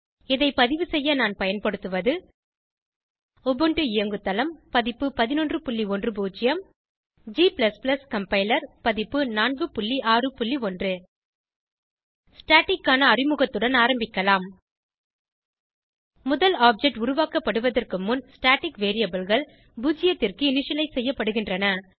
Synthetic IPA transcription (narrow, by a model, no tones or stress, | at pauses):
ɪðɐɪpɐðɪʋɯsɛjːɐnaːnpɐjɐnpɐɽɯt̪ːɯʋɐðɯ | ɔbɯɳʈɯɪjɐŋɡɯt̪ːɐlɐmpɐðɪpːɯpɐðɪnɔndrɯpʊɭːiɔndrɯbuːt͡ʃːɪjɐm | d͡ʒiːplɐsplɐskɐmpɐɪlɐɾpɐðɪpːɯnaːnɡɯpʊɭːiʔaːrɯpʊɭːiɔndrɯ | sʈaːʈɪkːaːnɐːrɪmɯɣɐt̪ːɯɽɐnaːɾɐmbɪkːɐlaːm | mʊðɐlaːp̚d͡ʒɛk̚ʈʊɾʊʋaːkɐpːɐɽɯʋɐðɐrkɯmːʊnsʈaːʈɪkʋeːɾijɐbɯlɣɐɭ | buːd͡ʒɪjɐt̪ːɪrkɯɪnɪʂɐlɐɪsɛjːɐpːɐɽɯɣɪndrɐnɐ